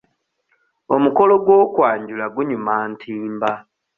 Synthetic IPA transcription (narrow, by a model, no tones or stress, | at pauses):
o̞muko̞lo̞ɡwo̞ːkwaːɲɟulaɡuɲumaːntʰiːmba